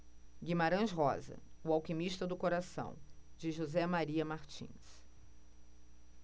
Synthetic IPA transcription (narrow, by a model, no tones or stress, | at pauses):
ɡimaɾɐ̃ʃɦɔ̰zɐ̰ʊawkimiʃt̪ɐd̪ʊkoɾasɐ̰̃w̃d͡ʒɪʒuzɛmaɾiɐmaɾt͡ʃḭ̃s